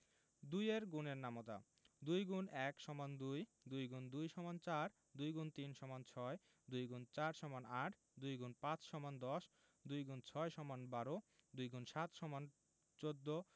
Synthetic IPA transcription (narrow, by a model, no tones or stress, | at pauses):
d̪ujeɾɡuneɾnamot̪a̰ | d̪ujɡunɛkʃɔmand̪uj | d̪ujɡund̪ujʃɔmant͡ɕaɾ | d̪ujɡunt̪inʃɔmant͡ɕʰɔe | d̪ujɡunt͡ɕaɾʃɔmanaʈʰ | d̪ujɡunpãt͡ɕʃɔmand̪ɔʃ | d̪ujɡunt͡ɕʰɔeʃɔmanbaɾod̪ujɡunʃat̪ʃɔman | t͡ɕod̪ːo